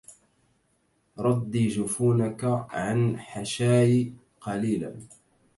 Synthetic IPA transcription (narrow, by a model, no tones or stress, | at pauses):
ɾˤɑd̪ːiːd͡ʒʊfuːnakaʕanħaʃaːji | qɑliːla̰n